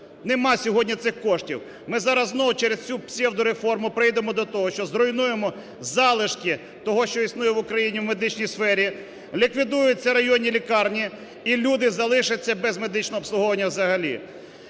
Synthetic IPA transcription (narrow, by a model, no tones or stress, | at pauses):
nemɑsʲɔɦɔdʲnʲit̪sɪxkɔʃtʲḭw | mɪzɑɾɐznɔwt͡ʃɛɾest͡sʲupsʲɛwd̪ʊɾefɔrmʊpɾɪjd̪emɔd̪ɔt̪ɔɦɔʃt͡ʃɔzɾɔjnujemɔ | zɑlˠɪʃkʲi | t̪ɔɦɔʃt͡ʃɔisnujɛʋʊkɾɐjinʲiwme̞d̪ɪt͡ʃnʲijsfɛɾʲi | lʲikʋʲid̪ujʊt͡sʲːɐɾɐjɔnʲilʲikɑrnʲi | ilʲud̪ɪzɐlˠɪʃɪt͡sʲːɐbɛzme̞d̪ɪt͡ʃnɔɦɔːpsˠʊɦɔʋɐnʲːɐwzɐɦɐlʲḭ